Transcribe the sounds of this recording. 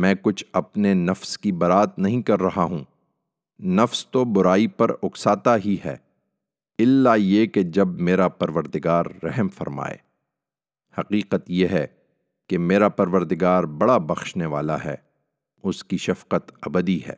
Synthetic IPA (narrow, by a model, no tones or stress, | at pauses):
mɛ̃ːkʊt͡ʃʰɐpnenɐfskibɐɾaːt̪nɐɦĩkɐɾːɐɦaɦũː | nɐfst̪obʊɾaːipɐɾʊksaːt̪aɦiɦɛ̰ː | ɪlːajeked͡ʒɐbmeːɾapɐɾʋəɾd̪ɪɡaːɾːɛɦmfɐ̰ɾma̰ːḛː | hɐqiːqət̪jeɦɛ | kemeːɾapɐɾʋəɾd̪ɪɡaːɾbɐɽabɐxʃneʋa̰ːla̰ɦɛ̰ː | ʊskiʃɐfqət̪ɐbəd̪iɦɛ̰ː